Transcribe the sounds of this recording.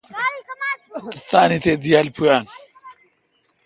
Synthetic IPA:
t̪aːnit̪ed̪ijalpʰujaːn

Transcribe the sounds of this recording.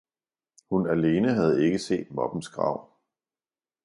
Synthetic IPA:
hunæle̝ːnəɦæð̞̩ˠe̝ɡ̥əse̝̰ːd̥̚mɒ̽b̥n̩sɡ̥ʁɑ̰̈ʊ̰

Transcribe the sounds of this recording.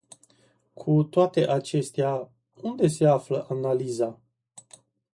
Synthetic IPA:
kʰut̪oat̪e̞ʔat͡ʃe̞st̪ea | und̪e̞se̞afləʔanaliza

